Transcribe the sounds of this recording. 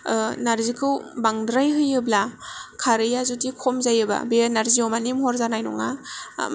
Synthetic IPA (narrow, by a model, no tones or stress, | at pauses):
naɾzikʰɯwbaŋdɾajɦɯjɯblakʰaɾɯjazutikʰɔmzajɯba̰benaɾziomanimhɔɾzanajnɔ̰ŋa̰